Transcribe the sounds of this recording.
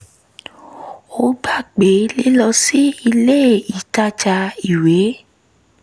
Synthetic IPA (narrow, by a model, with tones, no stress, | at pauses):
o˦ɡ͡ba˦˨k͡pe˨˦li˦lɔ˧si˦i˧le˦˨i˨ta˦t͡ʃa˧i˨we˨˦